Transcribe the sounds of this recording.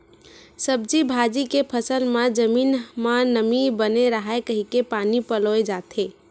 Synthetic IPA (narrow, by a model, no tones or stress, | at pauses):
səb̚d͡ʒibʱad͡ʒikepʰəsəlmad͡ʒəminmanəmibəneɾəɦaekəɦikepanipəloed͡ʒat̪ʰe